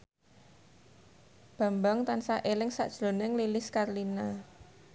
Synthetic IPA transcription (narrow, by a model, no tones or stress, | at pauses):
b̥a̤mbaŋt̪ansaʔelɪŋsa̰ʔd̥ʒ̥lonɪŋlilɪskarlina